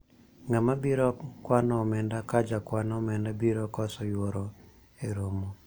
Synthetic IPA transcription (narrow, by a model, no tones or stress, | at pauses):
ŋamabiɾɔkwanɔmɛndakad͡ʒakwanɔmɛndabiɾɔkɔsɔjwoɾɔ | eɾomo